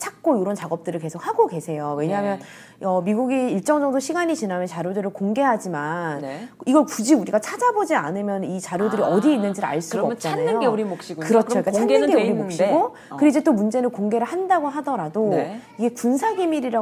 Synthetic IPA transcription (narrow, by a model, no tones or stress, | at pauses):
t͡ɕʰak̚k͈ooɾʌnt͡ɕaɡʌp̚t͈ɯɾɯɭke̞sʰok̚haɡoke̞sʰe̞jowe̞ɲaɦamjʌn | ʌmiɡuɡiiɭt͡ɕ͈ʌŋd͡ʑʌŋdoɕʰiɡaɲit͡ɕinɦamjʌnt͡ɕaɾjodɯɾɯɭkoŋɡe̞ɦad͡ʑimaniɡʌɭkud͡ʑiuɾiɡat͡ɕʰad͡ʑabod͡ʑia̰nɯmjʌnit͡ɕaɾjodɯɾiʌdiinːɯnd͡ʑiɾɭa̰ɭs͈uaːp̚t͡ɕ͈anajoɡeuɾimokɕ͈iɡukɯʌt͡ɕoik͈at͡ɕʰanːɯnɡeuɾimokɕ͈iɡo | kɯiid͡ʑet͈omund͡ʑe̞nɯɭkoŋɡe̞ɾɯɭhandaɡoɦadʌɾadoiɡe̞kunsʰaɡimiɾiɾa